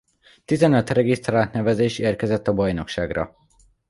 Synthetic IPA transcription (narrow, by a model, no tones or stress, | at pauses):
t̪izɛnøt̪rɛɡist̪raːlt̪nɛvɛzeːʃeːrkɛzɛt̪ːɒbɒjno̞kʃaːɡrɒ̰